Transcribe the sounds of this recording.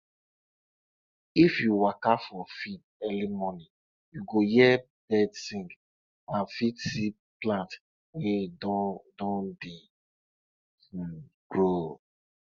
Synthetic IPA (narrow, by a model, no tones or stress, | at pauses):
ifjuwakafɔfid̚ | ɛlimɔnĩ | juɡojɛ | b̥ɛdsĩŋɡ | ãnfitsi | plãnt | wedɔdɔ̃ndi | ɡ̥ɹo